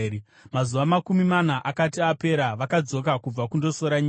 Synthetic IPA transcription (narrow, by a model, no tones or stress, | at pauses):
mazuʋamakumimanaʔakatiape̞ɾaʋakad͡zo̞k̬akub͡vakundo̞so̞ɾaɲi